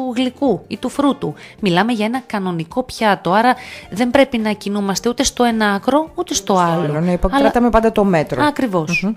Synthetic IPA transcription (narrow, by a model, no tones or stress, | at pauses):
uɣlikuit̪ufɾut̪umilɐme̞ʝɐe̞nɐkɐno̞niko̞pçɐt̪o̞ɐɾɐðe̞mbɾe̞pinɐcinumɐst̪e̞ut̪e̞st̪o̞e̞nɐɐkɾo̞ut̪e̞st̪o̞ɐloneipoɐt̪ɐmepɐnd̪ɐt̪o̞me̞t̪ɾoɐkɾivo̞s